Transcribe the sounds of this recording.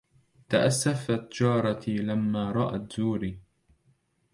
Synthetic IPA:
t̪aʔasːafat̪d͡ʒɑːɾˤɑt̪lamːaːɾˤɑʔat̪zuːɾiː

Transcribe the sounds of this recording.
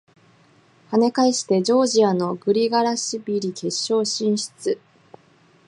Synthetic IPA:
hane̞kaiɕi̥t̪e̞d͡ʑo̞ːʑiano̞ɡɯ̟ɾʲiɡaɾaɕibʲiɾʲike̞ɕːo̞ːɕĩɰ̃ɕi̥t͡sɨ

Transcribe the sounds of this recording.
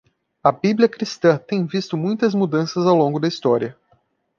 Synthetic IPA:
ɐbibliɐkɾist̪ɐ̃t̪ẽj̃vist̪ʊmũj̃t̪ɐzmud̪ɐ̃sɐzawlõŋɡʊd̪ɐist̪ɔɾiɐ

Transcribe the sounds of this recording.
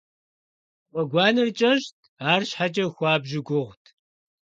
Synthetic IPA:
wʷɔɡʷɑːnɨrt͡ʃʼɐɕʃt̚ʰaːrɕħat͡ʃʼɐxʷɑːbʒɪɡʷʊʁʷtʰ

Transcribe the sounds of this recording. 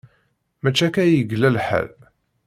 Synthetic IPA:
mæt͡ʃːækæjəɡlælħæ̰l

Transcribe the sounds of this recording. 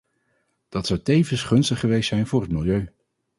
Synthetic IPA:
d̥ɑtsʌwtejvənsχɵnstəχχəʋejstsɛjnvʊːrɦətmɪlˠjøɥ

